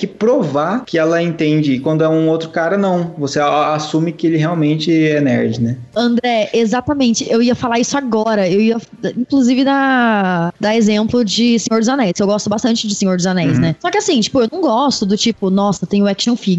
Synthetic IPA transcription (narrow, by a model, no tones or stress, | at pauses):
kɪpɾovakɪɛlɐẽnt̪ẽnd͡ʒɪkwɐ̃nd̪ʊɛũowt̪ɾʊkaɾɐnɐ̃w̃voseasũmɪkɪelɪɦeawmẽnt͡ʃɪɛnɛ̰ɾd͡ʒɪnɛɐ̃nd̪ɾɛezat̪ɐmẽnt͡ʃɪʔewiɐfalaɾisʊaɡɔɾɐewiɐf | ĩŋkluzivɪd̪ɐ | d̪ɐezẽmplʊd͡ʒɪsẽɲoɾd͡ʒɪzanɛjskewɡɔst̪ʊbast̪ɐ̃nt͡ʃɪd͡ʒɪsẽɲoɾd͡ʒɪzanɛjsnɛsɔkɪasĩt͡ʃi̥pʊewnɐ̃w̃ɡɔst̪ʊd̪ʊt͡ʃipʊnɔsɐt̪ẽj̃ʊɛkʃõfiɡ